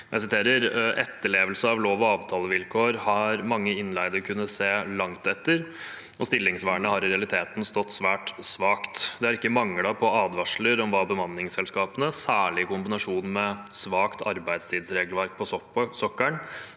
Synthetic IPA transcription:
ʔæ̰ɪsɪt̪ʰeːɾəɾʔɛt̪ːəɭeːʋəlsəɑʋloːʋɔɑːʋt̪ʰɑːləʋɪlkʰoːɾhɑɾmɑŋːəɪnlæɪd̪əɾkʰʉnːəseːlɑŋt̪ɛt̪ːəɾ | ɔst̪ɪlːɪŋsʋæːɳəhɑɾɪɾɛɑlɪt̪ʰeːt̪n̩st̪ɔt̪ːsʋæːʈsʋɑːkt̪d̪ɛhɑɾɪkːəmɑŋːlɑpʰɔɑːd̪ʋɑʂləɾɔmʋɑːbəmɑnːɪŋsɛlskɑːpənəsæːɭɪɪkʊmbɪnɑʂuːnmɛsʋɑːkt̪ʰɑɾbæɪd̪st̪ʰiːd̪sɾeːɡlʋæɾk̚pʰɔsɔkːæɳ

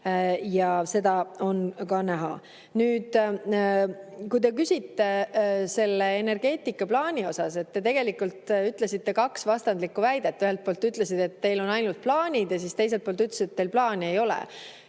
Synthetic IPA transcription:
jɑse̞d̪ɑo̞nkɑnæɦɑ̰ | nyːd̪̥ | kujt̪e̞k̬ysʲit̪ːe̞se̞lːeene̞rɡ̥e̞ːt̪ˑikːˑɑplɑːnʲio̞sɑse̞t̪ːe̞t̪e̞ɡ̥e̞likult̪yt̪ˑle̞sit̪ːe̞kɑksvɑst̪ɑnd̪likːˑuvæjd̪et̪ːyɦelt̪̚poːlt̪ːˑyt̪ˑle̞sid̪̥e̞t̪ːe̞jlo̞nɑjnult̪̚plɑːnʲid̪̥jɑs̬ist̪e̞js̬elt̪̚polt̪ːyt̪le̥sit̪et̪ːejlplɑːne̞jo̞lḛ

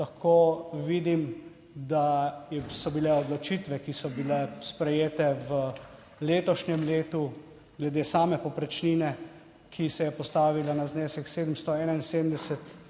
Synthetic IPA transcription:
laxkoːʋiːd̪im | d̪ajɛsɔbilɛɔd̪lɔt͡ʃiːt̪ʋɛkisɔbilɛspɾɛjeːt̪ɛʋə | leːt̪ɔʃɲɛmleːt̪u | ɡlɛd̪eːsaːmɛpɔpɾɛt͡ʃniːnɛ | kʰisɛjɛpɔst̪aːʋilanazneːsɛkseːd̪m̩st̪ɔɛːnainseːd̪md̪ɛsɛt̪

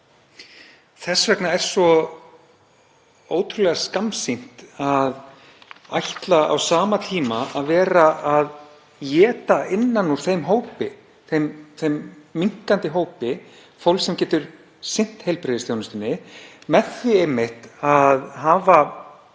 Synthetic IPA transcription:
θɛsvɛknaɛɾ̥sɔ | oːwt̪ʰɾʏlɛɣaskamsin̥t̪að | a̰jht̪laa̰wsaːmat̪ʰiːmaaðvɛːɾaað | jɛːt̪aɪnːanuɾ̥θejmɦoːwpɪ | θejmθejmːiŋ̥kant̪ɪɦoːwpɪ | fowlsɛmcɛːt̪ʏɾ̥ | sɪn̥t̪hejlpɾɪːðɪsjownʏst̪ɪnːɪmɛðɪejmːɪht̪aðɦaːva

